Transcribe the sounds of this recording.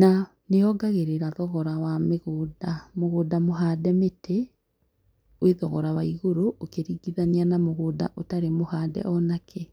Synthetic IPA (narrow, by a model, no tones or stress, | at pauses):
na | neɔɡaɣeɾeɾaðɔɣɔɾawameɣoːdamoɣoːdamoɦadɛmetʰe | weðɔɣɔɾawaiɣoɾoːkeɾiɡiðanianamoɣoːda̰ʔotaɾemohaːdɛ̰ʔɔnakʰɛ